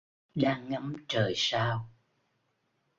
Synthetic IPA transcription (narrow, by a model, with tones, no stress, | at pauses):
ɗaː˧ŋːa˨˦mt͡ɕəː˨˩jsaː˧w